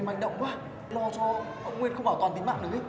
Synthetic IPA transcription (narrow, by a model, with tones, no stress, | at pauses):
ha˨˩ŋɗə̰˧˨wŋ͡mkwaː˧˥ | lɔ˧˩t͡ɕɔ˨˦ | ʔə˧wŋ͡mkwe˧nxə˧ŋ͡mɓaː˧˩wt̪wːnt̪i˨˦ŋma̰ː˧˨nɗɨ˨˦